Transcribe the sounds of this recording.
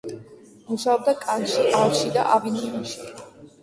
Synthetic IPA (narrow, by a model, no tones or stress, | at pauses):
muʃaɔb̚d̪akʼanʃiʔalˠʃid̪a̰ʔavininuʃi